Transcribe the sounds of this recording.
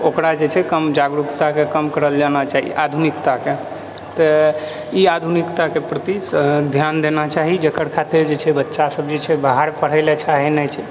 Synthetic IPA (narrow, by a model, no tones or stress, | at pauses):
okɾad͡ʒet͡ʃʰɛkəmd͡ʒaɡɾukt̪akekəmkəɾəld͡ʒanat͡ʃaɦḭad̪ʱunikt̪ake | t̪ɔ | iad̪ʱunikt̪akepɾət̪id̪ʱjand̪enat͡ʃaɦid͡ʒəkəɾkʰat̪eɾd͡ʒet͡ʃʰɛbətːʃasəbd͡ʒet͡ʃʰɛbaɦaɾpəɽ̤əɪlet͡ʃʰaɦinɛt͡ʃʰɛ